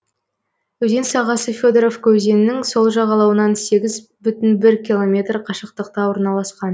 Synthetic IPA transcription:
wɵze̞nsɑʁɑsəfʲod̪eɾofkʲʰɵze̞nɪnɪŋso̞lˠʒɑʁɑlˠɑwənɑnse̞ɡʲɪzbʏt̪ɪnbɪɾkʲilˠo̞mʲe̞t̪rqʰɑʃəq̚t̪əq̚t̪ɑwo̞ɾnɑlˠɑsqɑn

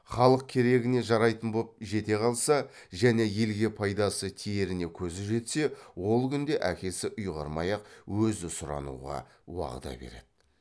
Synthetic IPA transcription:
χɑlˠəq̚kʲʰe̞ɾe̞ɡʲɪne̞ʒɑɾɑjt̪ənbop̚ʒe̞t̪e̞qʰɑlˠsɑ | ʒæne̞je̞lɡʲe̞pʰɑjd̪ɑsət̪ʰije̞ɾɪne̞kʲʰɵzɪʒe̞t̪se̞wo̞lˠkʲʏnd̪e̞ʔækʲe̞sɪʔʊjʁɑɾmɑjɑqwɵzɪsʊɾɑ̰nṵʁɑ̰ | wɑ̰ʁə̰d̪ɑ̰be̞̰ɾe̞d̪̥ɪ

